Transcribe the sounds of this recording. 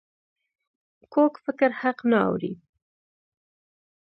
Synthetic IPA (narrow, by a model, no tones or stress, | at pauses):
kokfɪkɪɾhaqnaa̰wɾḭ